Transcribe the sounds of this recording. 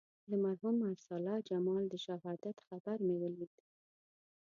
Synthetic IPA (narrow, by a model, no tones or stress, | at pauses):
d̪əmaɾɦumaɾsɑlɑd͡ʒamɑld̪əʃaɦɑd̪at̪xabaɾmewəlid̪